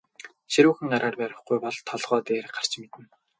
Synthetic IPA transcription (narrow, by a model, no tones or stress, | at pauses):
ʃiɾuːxɘ̆ŋaɾaːrpæɾʲɪ̆χɡujpɔɮt̪ʰɔɮʁ̥ɔːt̪eːrɢar̥t͡ɕ̆met̪ɘ̆n